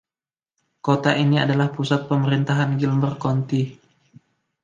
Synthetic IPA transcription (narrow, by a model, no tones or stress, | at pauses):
kot̪aʔinia̰dalahpusat̪̚pəməɾint̪aɦanɡilmbərkɔnt̪i